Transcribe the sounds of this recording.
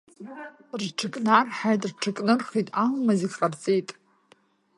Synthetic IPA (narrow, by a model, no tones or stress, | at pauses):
rʈ͡ʂʰɨkʼnarħajtʼrʈ͡ʂʰɨkʼnɨrχitʼalmaziχʼart͡sʼejtʼ